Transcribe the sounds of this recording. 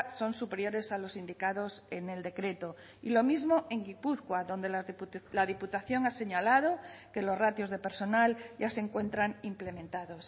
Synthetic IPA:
so̞nsupe̞ɾjo̞ɾe̞salo̞sind̪ikaðo̞sene̞ld̪e̞kɾe̞t̪o | ilo̞mizmoʔe̞ŋɡipuθkwaðo̞nd̪elaðiput̪aθjo̞ŋase̞ɲalað̞oke̞lozrat̪jozðe̞pe̞ɾso̞nalɟ͡ʝaseŋkwe̞nt̪ɾaŋimple̞mẽnt̪aðos

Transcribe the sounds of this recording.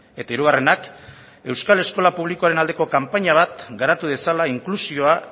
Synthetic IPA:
e̞t̪aiɾuɣ̞are̞nak | e̞wskale̞sko̞lapuβ̞likoaɾe̞nald̪e̞ko̞kampaɲaβ̞at̪ɡaɾat̪uðe̞salaiŋklusio̞a

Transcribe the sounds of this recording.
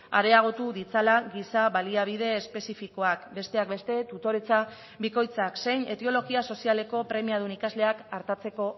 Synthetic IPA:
aɾe̞aɣ̞o̞t̪uðit͡salaɣisaβaliaβ̞iðe̞ːspe̞sifiko̞akbe̞st̪e̞akbe̞st̪e̞t̪ut̪o̞ɾet͡sa | biko̞jt͡sakse̞jne̞t̪eo̞lo̞ɣiaso̞siale̞ko̞pɾe̞miað̞unikazle̞akaɾt̪at͡se̞ko̞

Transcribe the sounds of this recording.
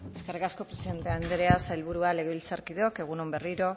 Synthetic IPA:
e̞ske̞rikasko̞pɾesiðe̞nt̪eaend̪eɾeasajlβuɾuale̞ɣe̞βilt͡saɾkiðeo̞ke̞ɣ̞unombe̞riɾo̞

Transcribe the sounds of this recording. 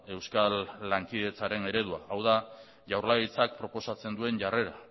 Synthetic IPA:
e̞wskalːaŋkiðe̞t͡saɾe̞ne̞ɾe̞ðuaʔawða | ʝawɾlaɣit͡sak̚pɾo̞po̞sat͡se̞nd̪ue̞nʝare̞ɾa

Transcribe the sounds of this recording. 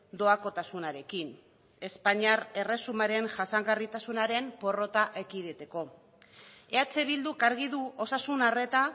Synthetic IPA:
d̪o̞ako̞t̪asunaɾe̞kin | e̞spaɲaɾe̞re̞sumaɾe̞nʝasaŋɡarit̪asunaɾe̞mpo̞ro̞t̪aʔe̞kiðet̪e̞ko̞ | e̞at͡se̞βild̪ukaɾɣ̞iðuʔo̞sasunare̞t̪a

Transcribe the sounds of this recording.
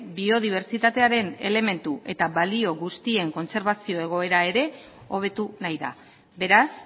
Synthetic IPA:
bio̞ð̞iβ̞e̞ɾt͡sit̪at̪e̞aɾe̞ne̞̰le̞me̞nt̪uʔe̞t̪aβalio̞ɣust̪ie̞ŋko̞nse̞ɾβasio̞e̞ɣ̞o̞e̞ɾae̞ɾe̞ | o̞β̞e̞t̪unajða̰ | be̞ɾas

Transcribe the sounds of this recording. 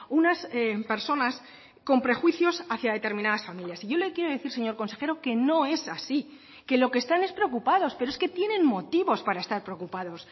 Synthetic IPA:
unasepe̞ɾso̞nas | ko̞mpɾe̞xwiθjo̞saθjaðe̞t̪e̞ɾmĩnaðasfamiljasiʝo̞lekje̞ɾoðeθiɾseɲo̞ɾko̞nse̞xe̞ɾo̞ke̞no̞e̞sasi | ke̞lo̞kest̪ane̞spɾeokupaðo̞spe̞ɾoeske̞t̪je̞nẽ̞nmo̞t̪iβo̞spaɾae̞st̪aɾpɾeokupaðo̞s

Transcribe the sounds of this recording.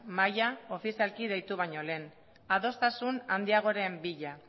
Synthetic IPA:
majao̞fisialkið̞e̞jt̪uβ̞ajɲo̞le̞ːn | aðo̞st̪asunand̪iaɣ̞o̞ɾe̞mbiʎa

